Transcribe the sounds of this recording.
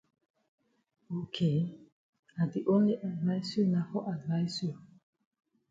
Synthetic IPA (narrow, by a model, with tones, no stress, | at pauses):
o˨kʰe˨ | a˨di˨ʔõ˦nli˦ʔa˨dvaɪsju˦na˨fɔ˦ʔa˨dva˦ɪsjo˦